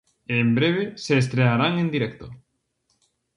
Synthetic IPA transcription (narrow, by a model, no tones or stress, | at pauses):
eːmbɾeβ̞eseːs̬t̪ɾeaɾaŋend̪iɾɛkt̪o